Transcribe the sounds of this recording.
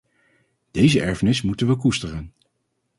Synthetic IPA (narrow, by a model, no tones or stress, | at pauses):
d̥ejzəʔɛɹvənɪsmutənʋək̬ustərən